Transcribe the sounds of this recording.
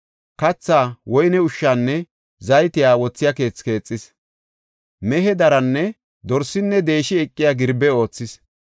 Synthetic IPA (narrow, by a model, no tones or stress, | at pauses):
kɐt͡sːaːwɔjnɛʊʃːaːnːɛ | zɐjt̪ɪjaːwɔt͡sːɪjake̞ːt͡ske̞ːt͡sʼːɪs | mɛɦɛd̪ɐɾɐnːɛ | d̪ɔɾsɪnːɛd̪e̞ːʃɪɛkʼːɪjaɡɪɾbɛo̞ːt͡sːɪs